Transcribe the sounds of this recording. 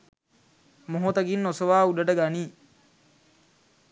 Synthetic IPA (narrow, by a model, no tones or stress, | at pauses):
moɦot̪ɐɡinːosoʋaːuɖɐʈəɡaniː